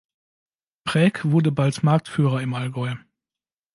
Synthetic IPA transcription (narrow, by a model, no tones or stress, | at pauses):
pʁ̥ɛːkv̥ʊɐdəbaltmaɐk̚tfyːʁɐɪmalɡɔʏ